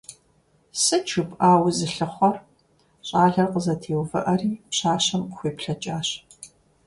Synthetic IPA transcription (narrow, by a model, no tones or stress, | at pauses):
sɨt͡ʃʰupʼaːwzɨɬɨχʷɔr | ɕʼaːɮɐrqəzɐtʰeːwvɐ̰ʔɐriːpɕaːɕɐmχʷeːpɬɐt͡ʃʼaːɕ